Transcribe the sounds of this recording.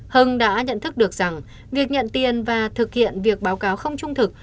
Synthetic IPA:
hɨ˧˩ŋɗa̰ː˧˥ɲə̰˧˨nt̪ʰɨ˦˥k̚ɗɨ˨˩ək̚z̥a˨˩ŋ | vi˨˩ək̚ɲə̰˧˨nt̪i˨˩ənvaː˨˩t̪ʰɨ˨˩k̚hḭ˧˨ənvi˨˩ək̚ɓaː˨˦wkaː˨˦wxə˧wŋ͡mt͡ɕʊ˧ŋ͡mt̪ʰɨ˨˩k̚

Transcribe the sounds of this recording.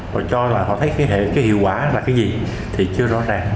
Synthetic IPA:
vɔː˨˩t͡ɕɔ˧laː˨˩ɦɔ̰˧˨t̪ʰə˨˦jkaː˨˦jɦḛ˧˨kaː˨˦jhḭ˧˨əwkwaː˧˩˦laː˨˩kaː˨˦jzi˨˩ | t̪ʰi˨˩t͡ɕɨ˧əzɔ̰˧˥zaː˨˩ŋ

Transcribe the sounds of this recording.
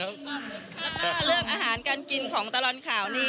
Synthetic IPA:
ɾɯ˥˩əŋʔaː˧ɦaː˩˦nkaː˧nki˧nkʰɔː˩˦ŋt̪a˧lɔː˧nkʰaː˩˦wniː˧

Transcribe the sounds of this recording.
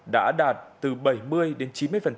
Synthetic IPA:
ɗa̰ː˧˥ɗaː˨˩t̚t̪ɨ˨˩ɓə˧˩jmɨ˧əjɗe˨˦nt͡ɕi˨˦nmɨ˧əjfə˨˩nt͡ɕ

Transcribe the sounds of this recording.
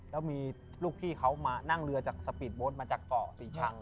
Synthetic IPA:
lɛː˦˥wmiː˧ | luː˥˩k̚t̪ʰiː˥˩kʰa˦˥wmaː˧na˥˩ŋɾɯ˧ɐt͡ɕaː˨˩k̚sa˧pi˨˩t̪̚boː˦˥nmaː˧t͡ɕaː˨˩k̚t̪ɔː˨˩siː˨˩t͡ɕʰa˧ŋ

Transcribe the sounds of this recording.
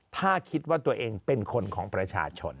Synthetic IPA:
t̪ʰaː˥˩kʰi˦˥t̪̚waː˥˩t̪u˧ɐʔeː˧ŋpe˧nkʰo˧nkʰɔː˩˦ŋpɾa˧t͡ɕʰa̰ː˧t͡ɕʰo˧n

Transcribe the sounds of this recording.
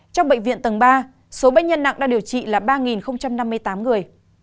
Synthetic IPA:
t͡ɕɔ˧wŋ͡mɓə̰˧˨ŋ̟vḭ˧˨ənt̪ə˨˩ŋɓaː˧ | so˨˦ɓə̰˧˨ŋ̟ɲə˧nːa̰˧˨ŋʔɗa̰ː˧˥ɗi˨˩əwt͡ɕḭ˧˨laː˨˩ɓaː˧ŋi˨˩nxə˧wŋ͡mt͡ɕa˧mna˧mːɨ˧əjt̪aː˨˦mŋɨ˨˩əj

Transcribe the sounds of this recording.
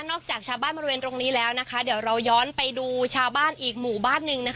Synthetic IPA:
nɔː˥˩k̚t͡ɕaː˨˩k̚t͡ɕʰaː˧wbaː˥˩nbɔː˧˥˧weː˧nt̪ɾo˧ŋniː˦˥lɛː˦˥wna˦˥kʰa˦˥di˨˩˦əwɾa˧wjɔː˦˥npa˧jduː˧t͡ɕʰaː˧wbaː˥˩nʔiː˨˩k̚muː˨˩baː˥˩nːɯ˧ŋna˦˥k

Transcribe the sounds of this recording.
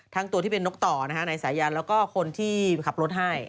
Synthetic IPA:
t̪ʰaː˦˥ŋt̪u˧t̪ʰiː˥˩pe˧nːo˦˥k̚t̪ɔː˨˩na˦˥kʰa˦˥na˧jsaː˩˦jaː˧nlɛː˦˥wkɔː˥˩kʰo˧nt̪ʰiː˥˩kʰa˨˩p̚lo˦˥t̪̚ɦa˥˩j

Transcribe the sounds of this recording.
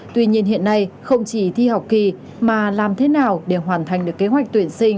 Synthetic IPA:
t̪wi˧ɲi˧ənɦḭ˧˨ənːa˧jxə˧wŋ͡mt͡ɕi˧˩t̪ʰi˧ha˨˩wk͡p̚ki˨˩ | maː˨˩laː˨˩mt̪ʰe˨˦naː˨˩wɗe˧˩ɦwaː˨˩nt̪ʰa˨˩jŋ̟ɗɨ˨˩əkːe˨˦ɦwa˨˩k̚t̪wi˧˩ənsï˧ŋ̟

